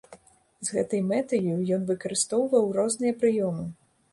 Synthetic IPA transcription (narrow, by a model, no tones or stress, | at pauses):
zɣɛt̪ɐjmɛt̪ɨjujɔnvɨkɐɾɨst̪ɔwvɐwrɔznɨjɐpɾɨjɔmɨ